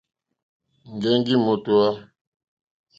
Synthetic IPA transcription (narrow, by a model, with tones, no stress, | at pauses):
ŋ˨ɡɛ˦ŋ˦ɡi˦mo˨tu˨a˦